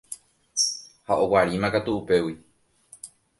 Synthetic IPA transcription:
haʔo̞waɾimãkat̪uupe̞wi

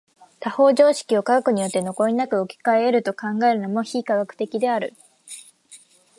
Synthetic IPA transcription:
t̪aho̞ːʑo̞ːɕi̥kʲio̞kaɡakɯ̟ɲ̟ijo̞t̪ːe̞no̞ko̞inakɯ̟okʲi̥kaeɾɯ̟t̪o̞kãŋɡae̞ɾɯ̟no̞mo̞çiːkaɡakɯ̟̥t̪e̞kʲid̪e̞aɾɯ̟

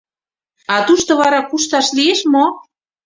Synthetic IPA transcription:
ɑt̪uʃt̪ŏβɑɾɑkuʃt̪ɑʃlieʃmo

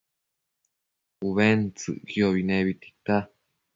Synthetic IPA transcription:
uβent͡sɨ̰kioβinẽβit̪i̥t̪a

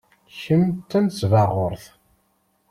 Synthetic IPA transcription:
çəmt̪ːænsvɑʁʊɾθ

